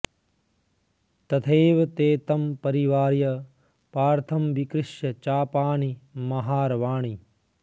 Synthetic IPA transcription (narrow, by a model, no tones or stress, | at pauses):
t̪ɐt̪ʰeːʋɐt̪eːt̪ɐmpɐɾiʋaːɾjɐ | paːɾt̪ʰɐmʋikɾɪʃjɐt͡ʃaːpaːɳimɐɦaːɾʋaːɳi